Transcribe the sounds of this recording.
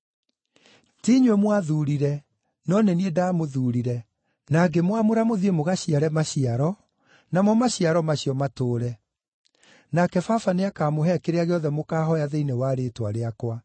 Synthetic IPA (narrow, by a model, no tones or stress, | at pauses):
tiɲwɛmwaðuɾiɾɛ | nɔneniedaːmoðuːɾiɾɛ | naɡemwamoɾamoðiemoɣaɕiaɾɛmaɕiaɾɔ | namɔmaɕiaɾɔmaɕiɔmatoːɾɛ | nakɛfafaneakaːmoɦɛkeɾeaɣeɔðɛmokaːɦɔjaðeinewaɾetwaɾeakwa